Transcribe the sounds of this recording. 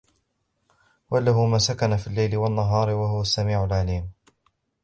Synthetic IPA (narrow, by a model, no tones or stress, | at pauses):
walaɦʊmansakanafilːajlɪwanːaɦɑːɾɪwaɦʊwasːamiːʕʊlʕaliːm